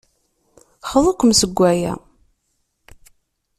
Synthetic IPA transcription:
χəðˤʊkʷːəmsəɡʷːæjæ̰

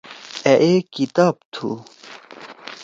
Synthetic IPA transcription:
eʔekit̪aːb̚t̪ʰṵ

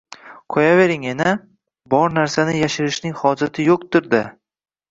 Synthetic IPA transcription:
qʰɒjave̞ɾɪŋena | bɒɾnaɾsanɪjaʃɪɾɪʃnɪŋhɒd͡ʒat̪ʰɪjoqt̪ɪɾd̪a

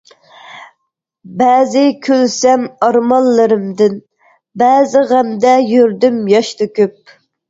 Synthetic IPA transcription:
bɛːzɪkʲʰølsɛmɑɾmɑlːɨɾɨmd̪ɨn | bæːzɪʁæmd̪ɛjyɾd̪ymjɑʃt̪ʰykʲyp̚

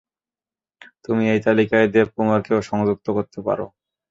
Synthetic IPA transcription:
t̪umiejt̪alikaed̪eb̚kumaɾkeoʃɔŋd͡ʑuk̚t̪okoɾt̪epa̰ɾo̰

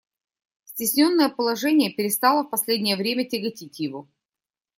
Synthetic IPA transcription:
sʲtʲɪsʲnʲo̞nːəjəpəlˠɐʐɛnʲɪjəpʲɪɾʲɪst̪alˠəfpɐsʲlʲedʲnʲɪjəvɾʲemʲətʲɪɡɐtʲitʲjɪvo

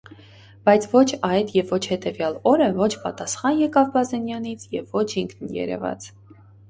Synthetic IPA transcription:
b̥ɑjt͡sʰvɔt͡ʃʰɑjt̪jɛvːɔt͡ʃʰhɛt̪ɛvjɑlɔɾəvɔt͡ʃʰpɑt̪ɑsχɑnjɛkɑvbɑzɛnjɑnit͡sʰjɛvːɔt͡ʃʰiŋkʰnjɛ̰ɾɛ̰vɑ̰t͡s

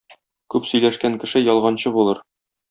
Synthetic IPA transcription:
kʉpsɵ̆jlæʃkæŋkɘ̆ʃɘjɒlˠʁɑnɕɤbulˠɤɾ

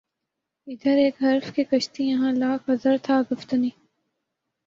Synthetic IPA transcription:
ɪd̪əɾeːkɦɐɾfkekɐʃt̪ijɐɦãːlaːkɐzəɾt̪ʰaːɡʊft̪əniː

